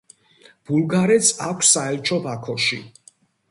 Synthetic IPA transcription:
b̥ulˠɡaɾɛt̪sʰakʷʰsːaɛlt͡ʃʰʼɔbakʰɔʃḭ

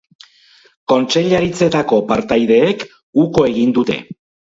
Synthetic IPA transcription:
ko̞nt͡ʃe̞ʎaɾit͡se̞t̪ako̞paɾt̪ajð̞e̞ːk | uko̞e̞ɣind̪ut̪e̞̰

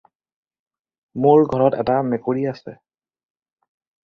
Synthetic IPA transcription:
moɹɡʱɔɹɔtɛ̰tamɛkoɹiasɛ̰

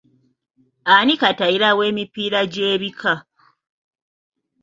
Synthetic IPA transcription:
anikataiɾawe̞ːmipiːɾaɟeːβikʰa

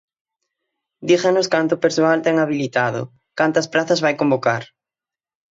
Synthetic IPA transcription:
d̪ixanʊskant̪ʊpeɾsoalt̪ɛŋaβ̞ilit̪aðʊ̰ | kant̪ɐspɾaθɐzβajkombokaɾ

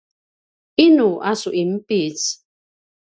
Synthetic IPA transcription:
inuʔasuʔim̩pit͡s

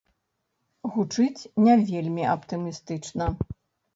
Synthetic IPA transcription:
ɣut͡ʂɨt͡sʲnʲavʲelʲmʲiʔɐpt̪ɨmʲist̪ɨt͡ʂnɐ

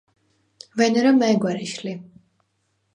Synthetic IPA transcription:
vɛnɛɾɔmɛɛɡwaɾiʃli

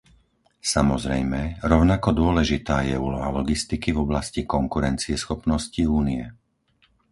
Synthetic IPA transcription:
samɔzɾɛjmɛɾɔʊnakɔd̪ʊɔlɛʒit̪aːjɛuːlɔɦalɔɡist̪ikivɔblascikɔŋkuɾɛnt͡siɛsxɔpnɔsciuːniɛ

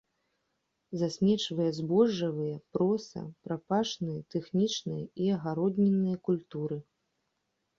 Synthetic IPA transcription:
zasʲmʲɛt͡ʂvɐjɛzbɔʐːɐvɨjɐpɾɔsɐ̰pɾapaʂnɨjɐt̪ɛxnʲit͡ʂnɨjɐiɐɣaɾɔd̪ʲnʲɛnːɨjɐkulʲt̪uɾɨ

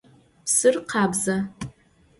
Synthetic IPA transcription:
sɨrqʰaːbza

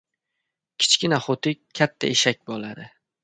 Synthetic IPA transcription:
kʲʰɪ̥t͡ʃkʲɪnaχot̪ʰɪat̪ʰːa̰eʃak̚ʲbɒlˠad̪ɪ

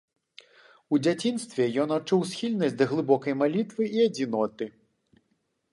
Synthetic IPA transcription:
ud͡zʲat͡sʲinst̪vʲɛjɔnat͡ʂuwsʲxʲilʲnɐsʲd̪ɐɣlˠɨbɔkɐjmalʲit̪vɨiɐd͡zʲin̪ɔt̪ɨ

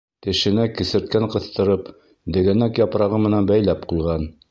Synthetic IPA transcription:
t̪ɘ̆ʃɘ̆nækɘ̆sɘ̆ɾt̪̚kæɴqɤ̆θt̪ɤ̆ɾɤp | d̪ɘ̆ɡæ̆nækjɑpɾɑʁɤmɘ̆nænbæjlæpqujʁɑn

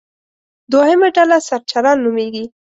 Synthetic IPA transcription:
d̪ohɪmaɖalasaɾt͡ʃaɾɑnːumeɡi

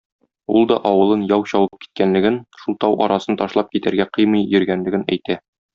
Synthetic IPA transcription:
ulˠd̪ɒʔɒwɤ̆lˠɤnjɒwɕɒwɤɤp̚ki̥t̪̚kænlɘ̆ɡɘnʃulˠt̪ɑwʔɒ̰ɾɑsɤnt̪ɒʃlˠɑp̚kit̪æɾɡæqɤjmɤjjɵ̆ɾɡænlɘ̆ɡɘnæ̰jt̪æ

